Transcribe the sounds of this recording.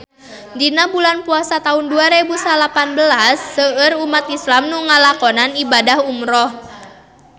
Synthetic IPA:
dinabulanpuasat̪aunduaɾebusalapanbəlasːəərumat̪islamnuŋalakɔnanibadahumɾɔh

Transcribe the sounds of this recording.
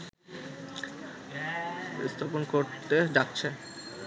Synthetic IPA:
ḭst̪ʰaponkoɾt̪ed͡ʑak̚t͡ɕʰe

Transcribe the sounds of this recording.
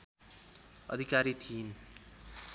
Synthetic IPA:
ʌ̰d̪ʱikaɾit̪ʰin

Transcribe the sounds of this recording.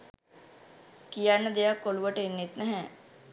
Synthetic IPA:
kijanːəd̪ejakoluʋəʈenːet̪nɛɦɛ̃

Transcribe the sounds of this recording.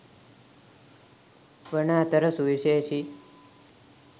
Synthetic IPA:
ʋəɳaːt̪əɾəsuʋiʃeːʃi

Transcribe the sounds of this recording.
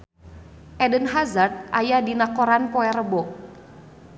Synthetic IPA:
ʔɛdənɦazart̪̚ʔajadinakɔɾanpɔɛɾəbɔk̚

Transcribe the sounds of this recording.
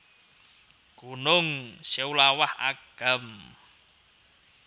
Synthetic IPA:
ɡ̥ṳnʊŋsawulawaha̰ɡ̥ə̤m

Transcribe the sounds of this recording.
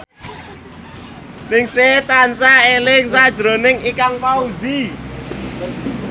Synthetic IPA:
nɪŋset̪ansaelɪŋsad̥ʒ̥ɾo̤nɪŋikaŋpauzi

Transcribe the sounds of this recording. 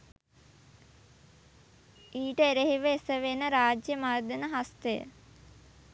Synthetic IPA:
iːʈəeɾeɦiʋəesəʋenəɾaːd͡ʒjəmaːrd̪ənəɦast̪ejə̰

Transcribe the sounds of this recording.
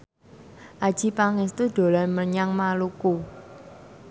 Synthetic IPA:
ʔad̥ʒ̥i̤paŋɪst̪ud̪̥o̤laməɲaŋmaluku

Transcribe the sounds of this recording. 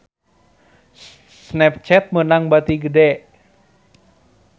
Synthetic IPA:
snɛp̚t͡ʃɛt̪̚mənaŋbat̪iɡədɛ

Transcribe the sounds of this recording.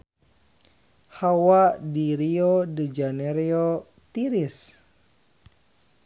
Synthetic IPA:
hawadiɾiodəd͡ʒanɛɾio | t̪iɾis

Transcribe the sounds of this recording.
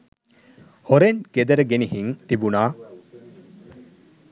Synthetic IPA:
hoɾenked̪ɐɾəɡeniɦiŋt̪ibunaː

